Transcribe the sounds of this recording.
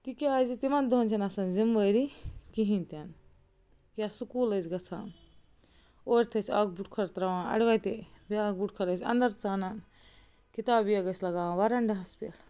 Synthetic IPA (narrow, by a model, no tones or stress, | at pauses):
t̪ikeaːzit̪imɐnd̪onʲt͡ʃʰɐnɐsɐnzimʋəjɾikiɦĩnʲt̪ʲɐn | kʲasukuːlɐzɡɐt͡sʰã̰ːn | oːɾʲt̪ʰɐsʲa̰ːk̚buʈkʰɐɾt̪ɾɐʋãːɐ̰ɽʋɐjt̪ebiaːk̚buʈkʰɐɾɐsʲɐ̰nd̪ɐɾt͡saːnan | kit̪aːbijɐɡɐsʲlɐɡaːãʋɐɾɐɳɖɐɦɐspʲḛl